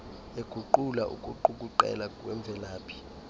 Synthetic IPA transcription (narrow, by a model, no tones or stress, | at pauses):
eɡ̥ʱuǃulaʔṵkʼuǃukʼuǃɛ̰lakʼwɛɱbvʱɛlaːpʰi̥